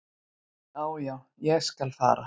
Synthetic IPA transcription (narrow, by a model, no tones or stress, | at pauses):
aːwjaː | jɛɣskalfa̰ːɾa̰